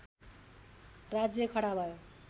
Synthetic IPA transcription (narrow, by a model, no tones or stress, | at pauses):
rad͡zjʌkʰʌɽabʱʌjo